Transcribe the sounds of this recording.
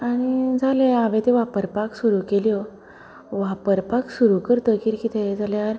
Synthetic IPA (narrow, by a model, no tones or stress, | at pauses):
aɽ̃id͡zʱaleaʋẽt̪eʋapəɾpaksuɾukelijɔ | ʋapəɾpaksuɾukəɾt̪əkiɾkit̪ʰed͡zʱalaɾ